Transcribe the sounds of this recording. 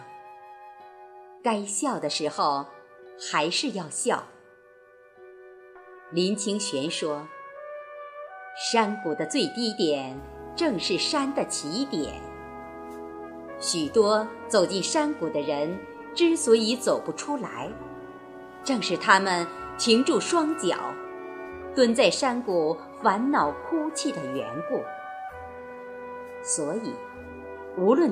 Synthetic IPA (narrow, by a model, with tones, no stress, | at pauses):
ka˥ɪɕjɑ˥˩ʊd̪ə˩ʂɻ̩˧˥xo˥˧ʊ | xa˧˥ɪʂɻ̩˥˧jɑ˥˧ʊɕjɑ˥˩ʊ | li˧˥nt͡ɕʰi˥ŋɕɥɛ˧˥nʂwɔ˥ | ʂa˥nku˨˩d̪ə˦t͡swe˥˩ɪt̪i˥t̪jɛ˨˩nʈ͡ʂɤ˥˧ŋʂɻ̩˥˩ʂa˥nd̪ə˨t͡ɕʰi˧˥t̪jɛ̰˨˩˦n | ɕy˨˩t̪wɔ˥ | t͡so˨˩ʊt͡ɕi˥˩nʂa˥nku˨˩d̪ə˦ɻə˧˥n | ʈ͡ʂɻ̩˥swɔ˧˥i˧˥t͡so˨˩ʊpu˧˥ʈ͡ʂʰu˥la˧˥ɪ | ʈ͡ʂɤ˥˧ŋʂɻ̩˥˩t̪ʰa˥mə˨nt͡ɕʰi˧˥ŋʈ͡ʂu˥˩ʂwɑ˥ŋt͡ɕjɑ̰˨˩˦ʊ | t̪wə˥nt͡sa˥˩ɪʂa˥nku˨˩ | fa˧˥nnɑ˨˩ʊkʰu˥t͡ɕʰi˥˩d̪ə˩ɥɛ̰˧˥nku˥˩ | swɔ˧˥i˨˩˦ | u˧˥lwə˥˩n